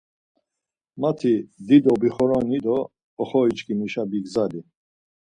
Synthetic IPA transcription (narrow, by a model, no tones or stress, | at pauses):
mat̪ʰid̪id̪ɔbiχɔɾɔnid̪ɔ | ɔχɔit͡ʃkʰimiʃabiɡzali